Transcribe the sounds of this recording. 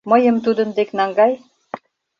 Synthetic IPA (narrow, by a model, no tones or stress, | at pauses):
mə̆jə̆mt̪ud̪ə̆nd̪eknɑŋɡɑj